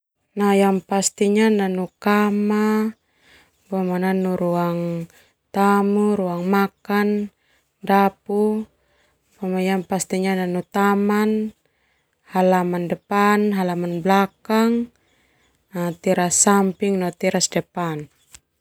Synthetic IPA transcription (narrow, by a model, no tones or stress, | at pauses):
najaŋpast̪iɲananukama | bɔmananuɾuaŋ | t̪amuɾuaŋmakan | dapu | pamajaŋpast̪iɲananut̪aman | halamandɛpanɦalamanblakaŋ | nat̪iɾasampiŋnɔt̪iɾasdɛpan